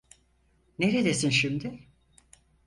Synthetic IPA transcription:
neɾed̪esinʃimd̪ɪ

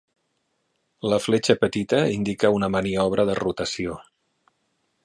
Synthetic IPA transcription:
ləflet͡ʃəpət̪it̪əind̪ikəunəmaniɔβ̞ɾʔəðərut̪əsio

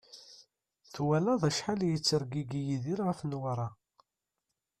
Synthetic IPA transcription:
θwælæðˤæʃħaljət͡sːəɾɡiɡijiðiɾʁafnwaɾˤɑ

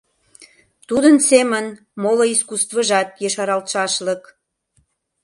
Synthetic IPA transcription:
t̪ud̪ənsemən | moloiskust̪vəʒɑt̪̚jeʃɑɾɑlt̪ʃɑʃlək

